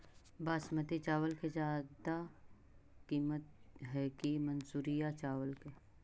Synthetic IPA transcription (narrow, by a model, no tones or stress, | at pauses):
baːsmət̪it͡ʃaːʋəlked͡ʒaːd̪a | kiːmət̪̚ɦɛkimənsuːɾijat͡ʃaːʋəlke